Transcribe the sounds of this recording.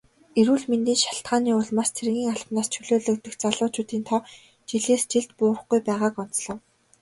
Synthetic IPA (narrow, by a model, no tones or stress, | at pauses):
eɾuːɮment̪iːnʃḁɬt̪̚ɢaːniːʊɮmast͡sʰeɾ̆ɣʲiːŋaɮpnaːst͡ɕʰɵɮoːɮɵ̆k̚t̪ɵ̆xt͡saɮʊːt͡ɕʊːt̪iːnt̪ʰɔ | t͡ɕiɮeːst͡ɕiɮt̪pʊːrə̆χɡujpæːʁaːkɔn̥t͡sɮɞ̆w